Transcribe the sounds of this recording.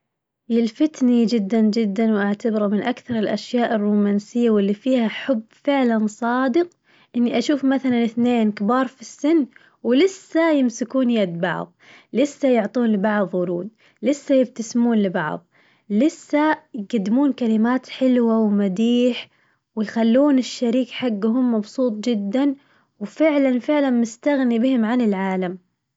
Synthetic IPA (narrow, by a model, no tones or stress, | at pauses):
jɪlfɪt̪nid͡ʒɪd̪ːand͡ʒɪd̪ːanwʔaʕt̪abɪɾumɪnʔakθɑɾˤɪlʔaʃjaːʔɪrːuːmaːnsɪjːawɪlːifiːhaħʊbːfɪʕlansˤɑːd̪ɨq | ʔɪnːiʔaʃuːfmaθalanɪθneːnkɪbɑːɾˤfisːɪnː | wɪlɪsːajɪmsɪkuːnjad̪bɑ̰ʕðˤ | lɪsːajʊʕt̪ˤuːnlɪbɑʕðˤwʊɾuːd̪̚ | lɪsːajɪb̚t̪asmuːnlɪbɑ̰ʕðˤ | lɪsːajɡad̪ːɪmuːnkalɪmaːt̪ħɪlwawmad̪iːħ | wɪjxalːuːnɪʃːaɾiːkħaɡːʊhʊmːɑbsˤuːt̪ˤd͡ʒɪd̪ːan | wfɪʕlanfɪʕlanmɪst̪aɣnibɪhɪmʕanɪlʕaːlam